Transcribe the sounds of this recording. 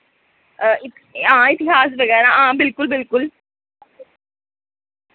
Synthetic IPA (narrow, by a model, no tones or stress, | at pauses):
ɪ | ɦãːɪt̪ɪɦaːsʋɐɡɛːɾãɦãːbɪlkʊlbɪlkʊl